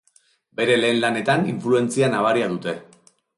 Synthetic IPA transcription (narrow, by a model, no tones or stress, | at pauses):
be̞ɾe̞le̞ːnlane̞t̪aniɱflue̞nt͡sianaβ̞aɾiaðut̪e̞